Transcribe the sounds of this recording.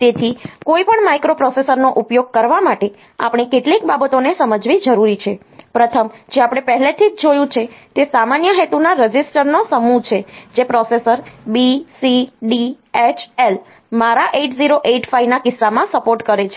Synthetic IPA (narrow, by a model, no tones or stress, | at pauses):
t̪et̪ʰikoipəɳmajkɾopɾɔsesəɾnoʔupjoɡ̚kəɾʋamaʈe | apɳ̃ekeʈlikbabət̪onesəməd͡ʒʋid͡ʒəɾuɾit͡ʃʰe | pɾət̪ʰəmd͡ʒeapɽ̃epɛɦlet̪ʰid͡ʒd͡ʒojũt͡ʃʰet̪esamanjəɦet̪unaɾəd͡ʒisʈəɾnosəmũt͡ʃʰed͡ʒepɾɔsesəɾbisiɖi | et͡ʃʰel | maɾaʔeʈziɾoʔeʈfainakɪsːamãsəpoɾʈkəɾet͡ʃʰe